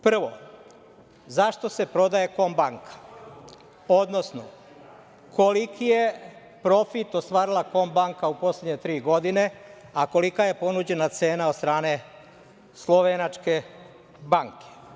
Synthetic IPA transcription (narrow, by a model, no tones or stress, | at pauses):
pr̩ʋo̞̰ | zaʃt̪o̞se̞pɾo̞d̪aje̞ko̞mbaŋkʰḁ | od̪no̞sno | kʰo̞likije | pɾo̞fit̪ost̪ʋaːɾilako̞mbaŋkaupo̞slʲe̞d̪ɲe̞t̪ɾiːɡo̞d̪ine̞ako̞likaje̞po̞nuːd͡ʑe̞nat̪se̞ːnaod̪st̪ɾaːne̞ | slˠo̞ʋenat͡ʃke̞ | baŋkʰe̥